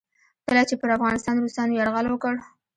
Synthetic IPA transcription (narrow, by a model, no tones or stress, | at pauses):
kəlat͡ʃepəɾafɣɑnɪst̪ɑnɾust̪ɑnojaɽɣəlwəkəɽ